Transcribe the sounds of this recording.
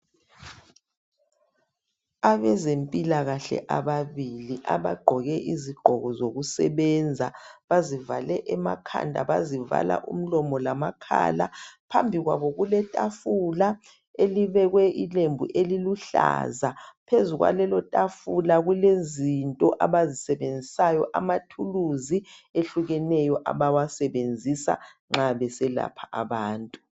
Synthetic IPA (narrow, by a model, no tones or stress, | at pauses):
aβɛzempʼilaɣaɬɛ̰ʔaβaβiliʔaβa̰ɡ͡ǃʱɔɣɛʔiziɡ͡ǃ̥ʱɔɣɔzoɣusɛ̰βɛnd͡zʱaβaziva̰lɛʔɛmakʰa̰ndʱa̰βaziva̰la̰ʔṵm̩lɔmɔlamakʰa̰la̰pʰambʱiɣwaβɔɣulɛtʼafula | eliβɛɣwɛʔilembʱṵʔeliluɬa̰zapʰezuɣwa̰lɛlɔtʼafulaɣulezintʼɔʔaβazisɛβend͡zʱisajɔʔamatʰuluzieɬuɣɛnɛjɔʔa̰βawasɛβend͡zʱisa̰ | ŋ͡ǁaβɛsɛla̰pʰaʔaβaːntʼu